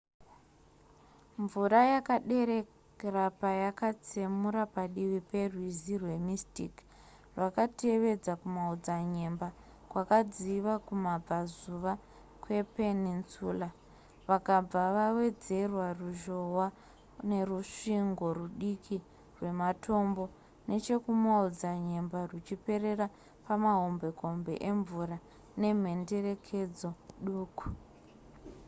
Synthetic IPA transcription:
ɱvuɾajakaɗe̞ɾe̞ | rapajakat͡semuɾapaɗiwipe̞rwizirwe̞mistik | rwakateʋe̞d͡zakumaud͡zaɲe̞mba | kwakad͡ziʋakumab͡vazuʋa | kwe̞penint͡suːla | ʋakaaʋawe̞d͡ze̞rwaruʒo̞ɦwa | ne̞ruʂiŋɡo̞ruɗikʰi | rwe̞matʰo̞mbo̞ | ne̞t͡ʃe̞kumaud͡zaɲe̞mbarut͡ʃipe̞re̞ra | pamaɦo̞mbe̞ko̞mbḛʔeɱvura | ne̞m̤e̞nde̞re̞kʰe̞d͡zo̞ɗuːku̥

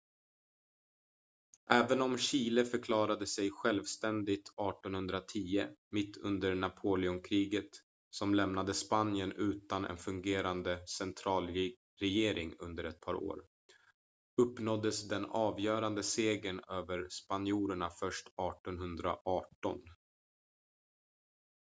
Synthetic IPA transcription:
ʔɛːvənɔmɕiːləfœɾkʰlɑːɾad̪əsɛjɧɛlvst̪ɛnd̪ɪt̪ɑːʈɔnhɵnd̪ɾat̪ʰiːəmɪt̪ʰːɵ̰nd̪əɾɳapʰoːlɪʊnkʰɾiːɡət̪ | sɔmlɛmnad̪əspanɪənʉ̟ːt̪anʔɛ̰nfɵŋɡeːɾand̪əsɛnt̪ʰɾɑːl | ɾɛjeːɾʔɪŋɵ̰nd̪əɾɛt̪̚pʰɑːɾo̰ːɾ | ɵpːnɔd̪ːəsd̪ɛnɑːvjœːɾand̪əseːɡənøːvəɾspanɪuːɾəɳafœʂʈɑːʈɔnɦɵnd̪ɾa̰ʔɑːʈɔ̰n

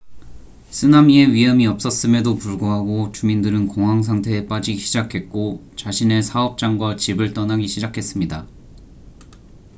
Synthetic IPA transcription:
sʰɯnamie̞ɥiɦʌmiʌp̚s͈ʌs͈ɯme̞dopuɭɡoɦaɡot͡ɕumindɯɾɯnkoŋɦaŋs̬ʰaŋtʰe̞ːp͈ad͡ʑiɕʰid͡ʑakʰe̞t̚k͈ot͡ɕaɕʰine̞sʰaʌp̚t͡ɕ͈aŋɡwat͡ɕibɯɭt͈ʌnɦaɡiɕʰid͡ʑakʰe̞s͈ɯmɲida

